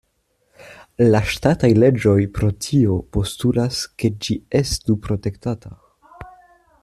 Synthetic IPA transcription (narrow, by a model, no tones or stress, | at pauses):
laʃtatajle̞d͡ʒo̞jpɾo̞tʰio̞po̞stulaske̞d͡ʒie̞stupɾo̞te̞ktata